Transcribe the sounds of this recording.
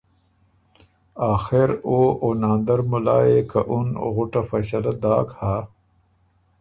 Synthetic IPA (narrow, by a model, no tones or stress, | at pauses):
aːxeɾoonaːnd̪aɾmʊlɑ̰ːekaʔuno̰ɣʊʈafɐjsɐlad̪ɑːkhaː